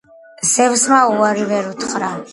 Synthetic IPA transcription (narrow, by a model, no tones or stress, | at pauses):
sɛvsmauaɾivɛɾut̪ʰχɾa